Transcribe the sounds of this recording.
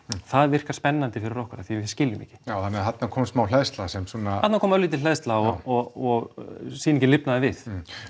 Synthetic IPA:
θaðvɪr̥kḁspɛnːant̪ɪfɪɾɪɾowhkʏɾaθi̥scɪljʏmɛ̰cɪ̥jawθanːɪɦat̪nakʰɔːmsmawlɛðst̪lasɛmsuɔnaat̪nakʰɔːmœliːt̪̬ɪlɛðst̪laɔɔɣɔɣsiːnɛcɪlɪpnaðɪvɪð

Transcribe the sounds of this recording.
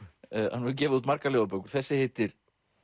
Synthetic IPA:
ha̰nvɛðcɛːvɪðuːt̪maɾkaleːvapœkʏɾ̥θɛsːɪhɪt̪ɪɾ̥

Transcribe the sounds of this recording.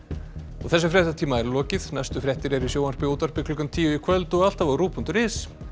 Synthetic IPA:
ɔɣθɛs̬ːʏfɾjɛht̪at̪ʰiːmaɛɾlɔːcɪðnajst̪ʏfɾjɛht̪ɪɾɛɾisjoːwanɾpɪoːt̪ar̥pɪkʰlʏkːant̪ʰiːjʏikʰvœlt̪ʏɔɣal̥t̪avaɾuːpʰunt̪ʏɾɪs

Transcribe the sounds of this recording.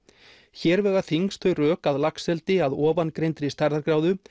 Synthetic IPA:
çɛːɾvɛːɣaθiŋst̪ʰœɥrœːkaðlaksɛlt̪ɪaðɔːvankɾejnt̪ɾɪist̪aɾðaɾkɾawðʏ

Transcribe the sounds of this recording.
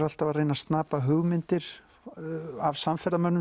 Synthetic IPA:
ɾalt̪avarejnast̪naːpaɦʏɣmɪnt̪ɪɾ̥ | avsamfɛɾðamœnːʏ

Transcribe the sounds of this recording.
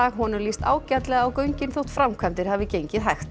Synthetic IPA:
aːɣɦɔnʏɾlist̪a̰ːwcat̪lɛɣaawkœɥɲcɪnθowht̪fɾamkʰvant̪ɪɾ̥havɪcejɲcɪðɦajxt̪

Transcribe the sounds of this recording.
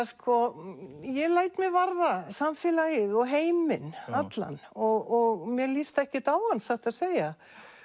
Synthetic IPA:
skʰɔjɛlaːjt̪mjɛɣvaɾðasamfɪːlajɪðɔɣɦeːjmɪnat̪la̰nɔɣɔɣmjɛlɪst̪ɛhcɪt̪aːwhanːsaht̪aðseːja

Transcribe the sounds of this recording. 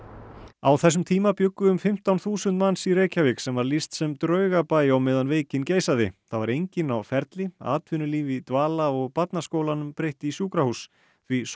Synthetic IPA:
awθɛsːʏmt̪ʰiːmapjʏkːʏʏmfɪm̥t̪awnθuːsʏnt̪mansiɾeːjcavɪksɛmvaɾlist̪sɛmt̪ɾœɥɣapaːjawmɛːðanveːjcɪnceːjsaðɪ̰θavaɾejɲcɪnawfɛɾt̪lɪa̰ːt̪ʰvʏnʏliːvit̪vaːlaɔɣpat̪naskoːwlanʏmpɾejht̪ɪisjuːkɾahus | θvis

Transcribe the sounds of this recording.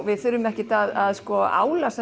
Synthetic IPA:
vɪðθʏɾːʏmɛhcɪt̪aðaðskɔa̰ːwlasɛ

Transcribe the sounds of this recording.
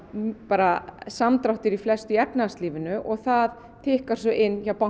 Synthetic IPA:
paːɾasamt̪ɾawht̪ɪɾiflɛst̪ʏɛpnaast̪liːvɪnʏʔɔɣθað | t̪ʰɪːhkaɾ̥sɔʔɪnːçawpa

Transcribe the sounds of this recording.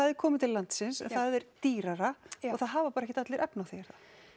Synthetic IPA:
aðɛɾ̥kʰɔːmɪt̪ʰɪlːant̪sɪnsɛ̰nθaðɛɾt̪iːɾaɾaɔɣθaðɦaːvapaːɾɛçcːɪt̪at̪lɪɾʔɛpnawθɛjaɾ̥θa

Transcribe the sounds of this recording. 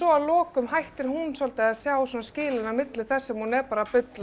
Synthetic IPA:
ɔalɔːkʏmɦajht̪ɪɾ̥ɦunsɔlt̪aasjaːwsɔnascɪːlɪnamɪt̪lɪθɛsːɛmhunɛɾpaːɾapʏt̪l

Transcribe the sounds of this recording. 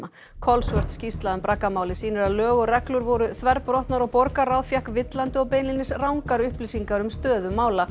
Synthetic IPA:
a | kʰɔlsvœr̥t̪scist̪laðʏmpɾakːamaːwlɪsiːnɪɾaðlœːɣʏrɛklʏɾvɔɾʏθvɛɾpɾɔht̪naɾɔɣpɔɾkaɾawðfjahkvɪt̪lant̪ɪɔpejnlinɪsrawŋkaɾʏhplisiŋkaɾʏmst̪œːðʏmːaːwla

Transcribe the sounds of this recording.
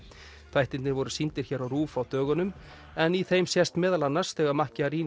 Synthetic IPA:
θʰvajht̪ɪnnɪvɔɾʏsint̪ɪɾ̥çɛːɾawɾuːfawt̪œːɣʏnʏm | ɛniθejmsjɛst̪mɛːðalanːaɾ̥sθɛːɣaɾmahcɪaɾiːn

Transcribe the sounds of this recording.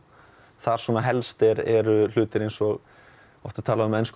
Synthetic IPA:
θaɾ̥swɔːnaɦɛlst̪ɪɾɛɾʏl̥ʏːt̪ɪɾejnsɔɣ | ɔ̰fht̪at̪ʰaːlaʏmɛjnsk

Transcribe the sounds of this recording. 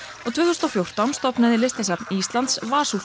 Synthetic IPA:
ɔt̪ʰvʏːθɔst̪ɔfjowr̥t̪awmst̪ɔpnaðɪlɪst̪asɛpnist̪lant̪svaːsu

